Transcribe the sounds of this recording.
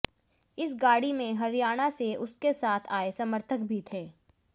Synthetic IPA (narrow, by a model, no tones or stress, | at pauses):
ɪsɡaːɽimẽɦɐɾijaːɽ̃aseʊskesaːt̪ʰaːesɐməɾt̪ʰək̚bʱit̪ʰeː